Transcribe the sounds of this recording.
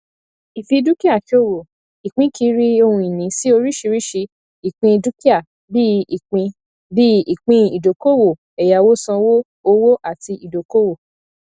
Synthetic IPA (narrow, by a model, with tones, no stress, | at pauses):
i˨fi˧du˦ki˦a˦˨ki˦o˦˨wo˨ | i˨k͡pĩ˨˦kʰi˨˧˦ɾi˦o˧hũ˧i˨nĩ˨˦si˦o˧ɾi˦ʃi˧ɾi˦ʃi˧ | i˨k͡pĩ˧du˦ki˦a˦˨ | bi˦i˨k͡pĩ˧ | bi˦i˨k͡pĩ˧i˨do˨ko˦wo˨ | ɛ˨ja˨wo˦sã˧wo˦ | o˧˦wo˦ʔa˦˨ti˧ʔi˨do˨ko˦wo˦˨